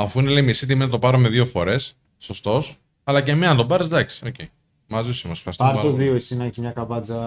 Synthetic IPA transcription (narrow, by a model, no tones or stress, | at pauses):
ɐfuine̞leimisit̪̬iminɐt̪o̞pɐɾome̞ðofo̞ɾe̞sː | o̞st̪o̞s | ɐlɐce̞miɐnt̪o̞pɐɾezd̪ɐksi̥o̞cei | mɐzisimosfxɐɾst̪oɐɾt̪oðioesinɐeçimɲɐkɐvɐd͡zɐ